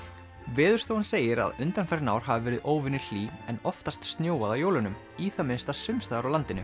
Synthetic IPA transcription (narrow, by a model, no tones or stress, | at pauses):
vɛːðʏɾ̥st̪owhanseːjɪɾa̰ðʏnt̪anfɛɾɪna̰wɾ̥havɪvɛːɾɪðoːwvɪnːɪl̥iːɛnɔft̪ast̪st̪njoːwaðawjoːwlʏnʏm | iːθamɪnst̪asʏmst̪aðɾawlant̪ɪnʏ